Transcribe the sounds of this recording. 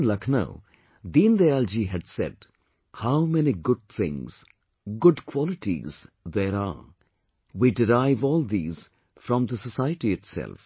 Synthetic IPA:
nlʌkʰnə̰ʊ | d̪ĩːnd̪eald͡ʒiɦæɖsɛ̰ɖ | haʊmɛniɡʊd̚t̪ʰɪ̰̃ŋz̥ | ɡʊɖkʰwɔlɪʈḭz̥ðeɾa̰ | wiːɖɪɾaɪvɔːlˠd̪iːz̥ | fɾɔ̃md̪əsəsaɪəʈiɪʈsɛ̰lf

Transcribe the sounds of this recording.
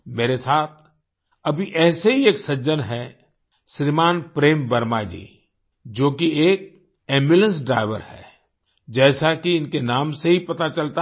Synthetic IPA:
meːɾesaːt̪̚ʰ | ɐbʱiʔɛːseɦieːksɐd͡ʒənɦɛ | ʃɾimaːnpɾeːmbɐɾmaːd͡ʒḭː | d͡ʒoːkieːk̚ | eːmbjʊlə̃nsɖɾa̰ːɪʋə̰ɾhɛ̰ː | d͡ʒɛːsakiɪnkenaːmseɦipɐt̪at͡ʃɐlt̪a

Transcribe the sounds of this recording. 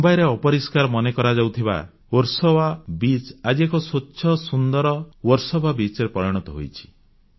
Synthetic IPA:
ubajɾeɔpɔɾiskaɾɔmɔnekɔɾad͡ʒawt̪ʰiba̰ | oɾsɔwabit͡ʃad͡ʒiekɔsotːʃʰɔsund̪ɔɾɔwɔɾsɔbʱabit͡ʃɾepɔɾiɽ̃ɔt̪ɔɦo̰jt͡ʃʰi̥

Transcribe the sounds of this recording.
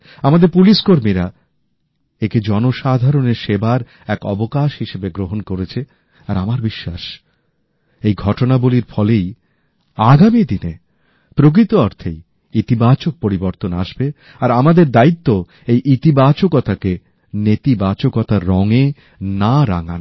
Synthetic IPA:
amad̪eɾpuliʃkoɾmiɾa | eked͡ʑɔnoʃad̪ʱaɾoneɾʃebaɾ | ɛkɔ̰bokaʃɦiʃebeɡɾoɦonkoɾet͡ɕʰe | aɾamaɾbiʃːaʃ | ejɡʱɔʈonaboliɾfɔlej | aɡamid̪ine | pɾok̬ɾit̪oɔɾt̪ʰḛj | it̪ibat͡ɕok̚poɾiboɾt̪onaʃbe | aɾamad̪eɾd̪ait̪ːo | ejʔit̪ibat͡ɕokɔt̪ake | net̪ibat͡ɕokɔt̪aɾɔŋe | naɾa̰ŋa̰n

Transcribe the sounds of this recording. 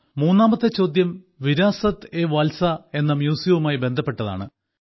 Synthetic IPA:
muːnːaːmɐt̪ːɨt͡ɕːo̞ːd̪jɐm | ʋiɾaːsɐt̪ːeʋaːlsɐe̞nːɐmjuːsjɐʋumaːjibe̞nd̪ʱɐpːe̞ʈːɐða̰ːɳɨ

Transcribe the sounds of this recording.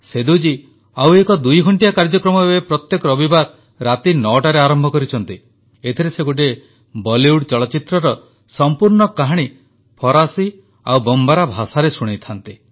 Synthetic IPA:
sed̪ud͡ʒi | awekɔd̪ujɡʱɔɳʈijakaɾd͡ʒɔkɾɔmɔbebepɾɔt̪jekɔɾɔbibaɾ | ɾat̪inɔʈaɾeaɾɔmbʱɔkɔɾit͡ʃʰɔnt̪i | et̪ʰiɾeseɡuʈe | bɔliuɽt͡ʃɔɭɔt͡ʃit̪ɾɔɾɔ | sɔmpuɾɳɔkaɦaɽ̃i | pʰɔɾasi | a̰wbɔmbaɾabʱasaɾesuɽ̃et̪ʰant̪i

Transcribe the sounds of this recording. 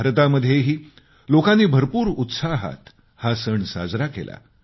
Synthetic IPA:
aɾt̪aməd̪ʱːjeɦiː | lokanːiːbʱəɾpuːɾut̪saɦa̰t̪ | hasəɳsa̰d͡zɾakḛla̰

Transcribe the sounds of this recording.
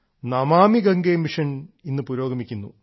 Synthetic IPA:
nɐmaːmiɡɐŋɡemiʂɐninːɨpuɾo̞ːɡɐmikʲːunːṵ

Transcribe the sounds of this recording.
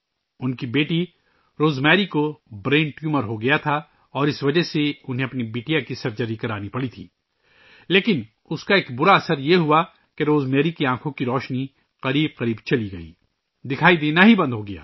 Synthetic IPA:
ʊnkibeːʈi | ɾoːzmɛːɾikobɾẽːɳʈjuməɾɦoɡɐjat̪ʰa | ɔːɾɪsʋɐd͡ʒəseʊnɦẽɐpnibeːʈijakisɐɾd͡ʒɐɾikɐɾaːnipɐɽit̪ʰḭː | leːkɪn | ʊskaeːkbʊɾaɐsəɾjeɦua | keɾoːzmɛːɾikiãːkʰõkiɾɔːʃni | qɐɾiːb̚qɐɾiːbt͡ʃɐliɡɐḭː | d̪ɪkʰaːid̪eːnaɦibɐ̃nd̪ɦoɡɐja̰ː

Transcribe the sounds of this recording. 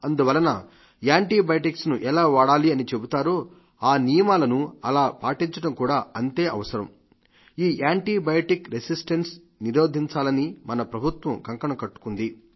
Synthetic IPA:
ɐnd̪uʋɐlːɐnɐ | aːɳʈiːbɐjɐʈiksnuʔɛlaːʋaːɽaːliɐnit͡ʃe̞but̪aːɾoː | aːnijɐmaːlɐnuɐlaːpaːʈiɲt͡ʃɐʈɐmkuːɽaːɐnt̪e̞ːʔɐ̰ʋɐsɐɾɐ̰m | iːʔaːɳʈiːbɐjɐʈikɾesisʈens | niɾo̞ːd̪ʱiɲt͡ʃaːlɐnimɐnɐpɾɐbʱut̪ʋɐmkɐŋkɐɳɐkɐʈːu̥kund̪i

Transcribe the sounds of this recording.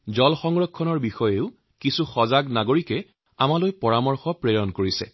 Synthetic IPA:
zɔlxɔŋɹɔkʰːɔnɔɹbixɔjeʊ | kisuxɔzaɡnaɡoɹikɛ | amalojpɔɹamɔɹxɔpɹejɔnkoɹisɛ̰

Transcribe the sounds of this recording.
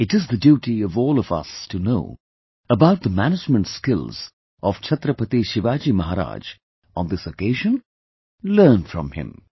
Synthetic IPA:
ɨʈɨzðɨdjuːʈiʌvɔːlˠʌvʌ̰stʰunoʊ | əbaʊt̪̚ðəmænɨd͡ʒmə̃ntskɪlˠz̥ | ʔɔv̥t͡ʃʰʌt̪ɾəpət̪iʃɪʋaːd͡ʒimʌɦaɾa̰ːd͡ʒ | ə̃nd̪ɪsəkeɪʒə̃n | lɜ˞nfɹʌ̰̃mhɪ̰̃m

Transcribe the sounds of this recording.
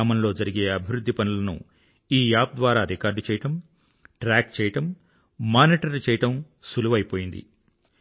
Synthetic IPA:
mɐmlo̞ːd͡ʒɐɾiɡe̞ːɐbʱiʋɾud̪ʱːipɐnulɐnṵ | iːjaːb̚d̪ʋaːɾaːɾikaːɾɖt͡ʃɛːjɐʈɐm | ʈɾaːk̚t͡ʃɛːjɐʈɐmː | aːniːʈɐɾt͡ʃɛːjɐʈɐm | suluʋɐjipo̞ːjind̪ḭ

